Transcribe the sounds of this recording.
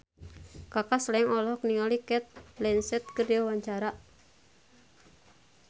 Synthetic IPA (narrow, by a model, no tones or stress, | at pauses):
kakaslɛŋɔlɔɦɔk̚niŋalikɛt̪̚lɛnsɛt̪̚kərdiɔwaɲt͡ʃaɾaʔ